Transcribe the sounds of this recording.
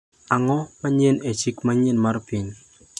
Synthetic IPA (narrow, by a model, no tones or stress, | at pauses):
aŋɔmaɲenet͡ʃikmaɲenmarpin